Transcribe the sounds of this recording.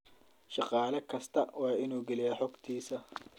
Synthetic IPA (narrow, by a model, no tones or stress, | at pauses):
ʃɑqɑːlɐkʰɐst̪ʰɐwɑːɪnuːɡɛlɪjaħɔɡt̪ʰiːsɐ